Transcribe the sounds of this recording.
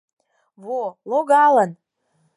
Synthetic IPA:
βoloɣɑlən

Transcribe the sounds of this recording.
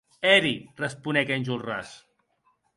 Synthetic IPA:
ɛɾirəspunɛkenʲʒulra̰s

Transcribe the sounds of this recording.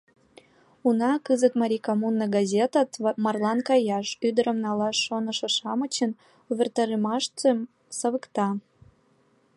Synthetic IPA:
unɑkɨzət̪mɑɾʲikomunːɤɡɑzʲet̪ɑt̪mɑrlɑnkɑjɑʃyd̪əɾə̆mnɑlɑʃːonə̆ʃɤ̆ʃɑmə̆t͡ɕə̆n | uβʲert̪ɑɾemɑʃt̪em | səβəkt̪ɑ

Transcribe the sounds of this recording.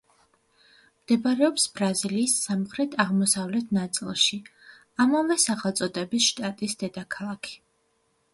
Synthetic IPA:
md̪̥ɛbaɾɛɔpsbɾaziliːsːamχɾɛt̪ʰaʁmɔsavlɛt̪ʰnat̪sʼḭlˠʃi | amavɛsaχɛlˠt̪sʼɔd̪ɛbisʃt̪ʼat̪ʼisd̪̥ɛd̪akʰalˠakʰi̥

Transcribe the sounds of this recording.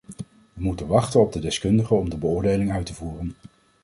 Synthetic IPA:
ʋəmutənʋɑχtənɔb̚dədɛskɵndəχəɔmdəbəʊːɹdejlɪŋœɥtəvuːrən

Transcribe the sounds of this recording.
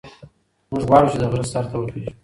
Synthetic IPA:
mʊʒɣwɑɽut͡ʃed̪əɣɾazsaɾt̪awəkiu

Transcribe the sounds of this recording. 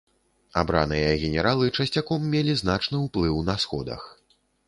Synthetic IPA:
a̰bɾa̰nɨjɐɣʲɛnʲɛɾalˠɨt͡ʂɐsʲt͡sʲakɔmːʲelʲiznat͡ʂnɨwplˠɨwnɐsxɔd̪ɐ̰x

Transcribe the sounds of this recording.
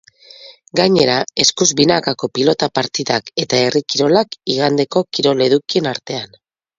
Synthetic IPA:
ɡaɲe̞ɾae̞skuzbinakako̞pilo̞t̪apaɾt̪iðake̞t̪aerikiɾo̞lakiɣ̞and̪e̞ko̞kiɾo̞le̞ðukie̞naɾt̪e̞an

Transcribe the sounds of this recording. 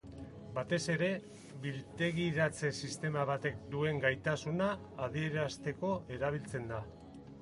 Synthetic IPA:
bat̪e̞se̞ɾe̞ | βilt̪e̞ɣiɾat͡se̞sist̪e̞maβ̞at̪e̞k̚d̪ue̞ŋɡajt̪asunaː | ðie̞ɾast̪e̞ko̞e̞ɾaβ̞ilt͡se̞nd̪a

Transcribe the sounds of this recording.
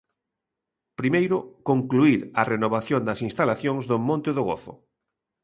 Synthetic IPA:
pɾimejɾʊkõŋkluiɾɐrenoβ̞aθjond̪ɐsinst̪alaθjõŋzðomõnt̪ɪðoɣo̰θʊ̰

